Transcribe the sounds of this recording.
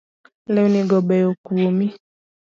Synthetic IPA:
lɛunĩɡɔbɛjokuwomĩ

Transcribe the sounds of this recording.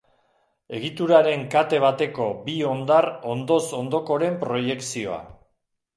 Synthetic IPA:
e̞ɣit̪uɾaɾe̞ŋkat̪e̞β̞at̪e̞ko̞bio̞nd̪aro̞nd̪o̞so̞nd̪o̞ko̞ɾe̞mpɾo̞je̞ksio̞a̰

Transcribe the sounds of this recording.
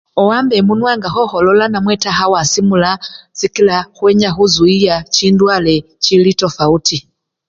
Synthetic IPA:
ɔwambɛmunwaːŋɡaxɔxɔlɔlanamwɛtaɦawasimulazikilaxwɛɲaxuzuijat͡ʃindwalɛ | t͡ʃilitofauti

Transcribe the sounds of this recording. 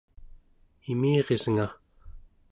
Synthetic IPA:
imiːʁezəŋa

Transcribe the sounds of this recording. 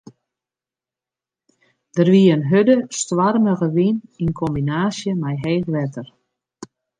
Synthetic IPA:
d̥ərʋiəənɦødəstʋarməɣəʋininkʰɔmbinaːsjəmajɦeːxʋɛtər

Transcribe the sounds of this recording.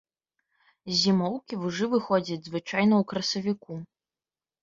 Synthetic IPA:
zʲimɔwkʲivuʐɨvɨxɔd͡zʲɐd͡zʲzvɨt͡ʂajnɐwkɾɐsɐvʲiku

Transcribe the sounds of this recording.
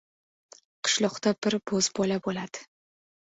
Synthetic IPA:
qʰɨ̥ʃlˠɒqt̪abɪɾbɵzbɒlabolad̪̥ɪ̥

